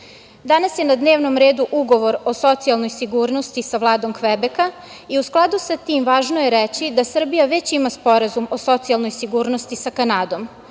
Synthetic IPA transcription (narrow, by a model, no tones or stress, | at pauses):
d̪anasje̞nad̪ne̞ːʋno̞mɾeːd̪uʔuɡo̞ʋo̞ɾo̞so̞t̪sialˠno̞jsiɡuːɾno̞st̪isaʋlˠaːd̪o̞mkʋebeka | iusklˠad̪usat̪iːmʋaːʒnojeɾet͡ɕid̪asr̩bijaʋe̞t͡ɕimaspo̞ɾazumo̞so̞t̪sialˠnojsiɡuːɾno̞st̪isakanaːd̪o̞m